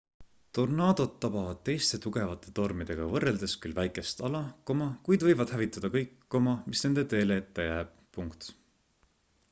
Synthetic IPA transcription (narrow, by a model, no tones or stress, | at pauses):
t̪o̞rnɑːd̪̥o̞d̪t̪ːɑbɑvɑd̪̥̚t̪e̞jst̪e̞t̪uɡ̥e̞vɑt̪ːˑe̞̥t̪o̞rmid̪̥e̞ɡ̥ɑvɤrːeld̪e̞skylvæjkˑe̞st̪ɑlɑko̞mɑkujd̪vɤjvɑd̪̥hævit̪ˑːɑd̪̥ɑkɤjkːo̞mɑmisne̞nd̪̥e̞t̪e̞ːleet̪ːejæːb̥̚puŋkt̪